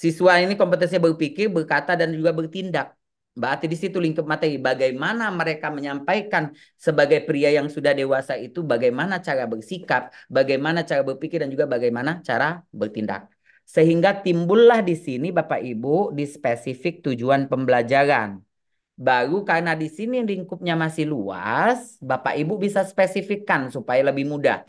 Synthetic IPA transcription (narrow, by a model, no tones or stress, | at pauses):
sisuainikɔmpət̪ɛnsiabərpikɪrbərkat̪adand͡ʒuɡabərt̪indak̚ | baːt̪idisit̪uliŋkət̪̚mat̪aibaɡajmanaməɾekaməɲampajkan | səbaɡajpɾiajaŋsudahdewasait̪ubaɡajmanat͡ʃaɾabərsikap̚baɡajmanat͡ʃaɾabərpikɪrdand͡ʒuɡabaɡajmanat͡ʃaɾabərt̪inda̰k̚ | səɦiŋɡat̪imbʊlːahdisinibapa̰ʔibudispesifɪk̚t̪ud͡ʒuanpəmbəlad͡ʒaɾan | baɾukarnadisiniliŋkʊp̪̚ɲamasɪhlua̰sbapa̰ʔibubisaspesifikansupajaləbɪhmuda̰h